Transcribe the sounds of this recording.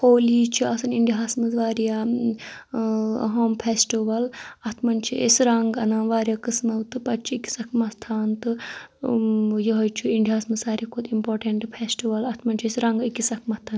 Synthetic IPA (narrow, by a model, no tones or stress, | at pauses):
koːliːt͡ʃʰiɐsɐniɳɖiaːsmɐzʋaːɾija | ɦoːmpʰesʈiʋɐlɐt̪ʰmɐnt͡ʃʰiḛsɾaŋɡɐnãːnʋaːɾʲijaːkɨsmɐwt̪ɨpɐt͡ʃʰiiki̥sɐkʰmɐt̪ʰaːnt̪ɨ | jɐɦojt͡ʃʰuiɳɖiɦaːsmɐsaːɾiakʰud̪impoːɾʈeɳʈpʰesʈiʋɐlɐt̪ʰmɐnʲt͡ʃʰiesɾɐŋɡikisɐkʰmɐt̪ʰan